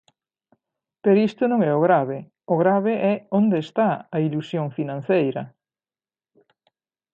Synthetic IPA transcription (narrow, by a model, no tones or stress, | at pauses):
peɾoist̪ʊnõŋɛʊɣɾaβe | ʊɣɾaβɪʔɛond̪eːst̪aɐilusjoŋfinãn̟θejɾɐ